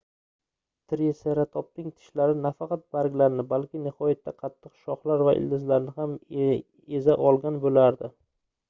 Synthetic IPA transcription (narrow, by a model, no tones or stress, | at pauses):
t̪ʰɾeseɾat̪ʰɒp̚nɪŋt̪ʰɪ̥ʃlaɾɪnafɑqɑt̪̚baɾɡʲlaɾnɪbalkʲɪnɪhɒjat̪ʰːaqʰɑt̪ʰːɨqʃɒχlaɾvaʔɪ̰ld̪ɪzlaɾnɪham | ezaʔɒlˠɡʲanbolaɾd̪ɪ